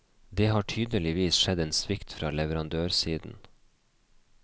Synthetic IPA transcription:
d̪eːhɑːʈʰyːd̪əlɪʋiːsʃɛd̪eːnsʋɪkt̪fɾɑ̰ːlɛʋəɾɑnd̪øːɾsiːd̪n̩

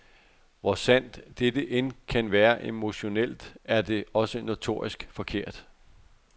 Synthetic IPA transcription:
ʋɒsæn̰d̥ːed̥əʔenkʰænʋæːɐʔe̝mo̝ɕo̝nel̰d̥æɐd̥e̝ɒ̽səno̝t͡sʰo̝̰ɐ̰isɡ̥fɒ̽kʰe̝ɐ̰d̥

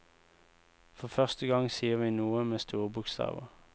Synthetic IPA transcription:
fɔfœʁst̪əɡɑŋsiːəʋiːnuːəmeːst̪ʰuːʁbʊkst̪ɑ̰ːʋə̰ʁ

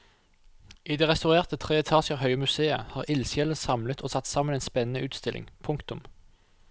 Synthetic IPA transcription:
iːd̪eːʁɛst̪ɑʉʁeːʁt̪ət̪ʰʁeːɛt̪ʰɑːʃəʁhœʏəmʉseːə̰hɑːʁɪlsjɛləsɑmlət̪ʰoːsɑt̪ːsɑːməneːnspɛnənəʔʉːt̪st̪ɪlʔɪ̰ŋpʰʊŋkt̪ʊm

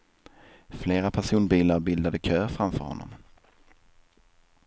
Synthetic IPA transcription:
fleːɾapʰæʂuːnbiːlaɾbɪld̪ad̪əkʰøːfɾamfœ̰ɾhɔ̰nːɔ̰m

